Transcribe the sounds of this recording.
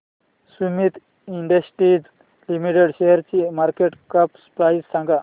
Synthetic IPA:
sumit̪ | iɳɖəsʈid͡z | limiʈeɽɕeɦəɾt͡ɕimaɾkeʈkəpspɾaizsãŋɡa

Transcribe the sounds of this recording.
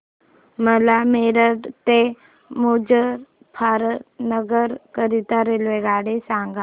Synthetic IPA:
məlameɾəɖt̪e | mod͡ʒəɾ | pʰaɾənəɡəɾkəɾit̪aɾelʋeɡaɽesaŋɡa

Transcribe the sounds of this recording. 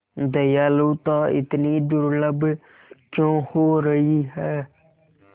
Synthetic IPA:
d̪əjaːloːt̪ɔ̃ɪ̰t̪nid̪ʊɾləb | kjõhoɾəiɦɛː

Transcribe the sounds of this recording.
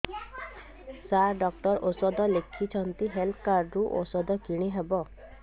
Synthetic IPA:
saɾɖɔkʈɔɾosɔd̪ɔlekʰit͡ʃʰɔnt̪iɦelt̪ʰkaɾɖɾuʔo̰sɔd̪ʱɔkiɽ̃iɦebɔ

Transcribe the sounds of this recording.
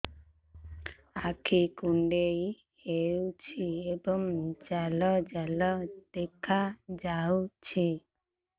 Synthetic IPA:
akʰikuɳɖej | hewt͡ʃʰiebɔŋd͡ʒalɔd͡ʒalɔd̪̥ekʰad͡ʒawt͡ʃʰi

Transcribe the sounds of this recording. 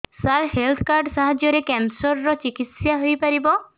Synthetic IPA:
salhelt̪ʰkaɾɖsaɦad͡ʒjɔɾekɛnsɔɾːɔt͡ʃikit̪sjaɦojpaɾibɔ

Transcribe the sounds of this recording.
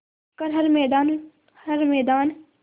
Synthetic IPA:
kɐɾɦɐɾmɛːd̪aːn | hɐɾmɛːd̪aːn

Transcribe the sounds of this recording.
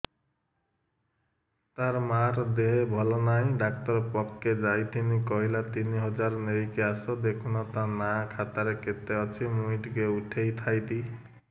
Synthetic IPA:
t̪aɾmaɾd̪eɦebʱʌlɔnaj̃ɖak̚ʈʌɾpʌkːed͡zajt̪ʰinikʌɦilat̪iniɦʌd͡zaɾneɾikeasʌd̪ekʰunɔt̪anakʰat̪aɾeket̪ːeʌt͡sʰimuiʈɡeuʈʰejt̪ʰajd̪i

